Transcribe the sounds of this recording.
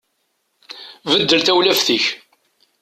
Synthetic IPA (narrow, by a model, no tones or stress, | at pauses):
vəd̪ːəlθæwlæfθiç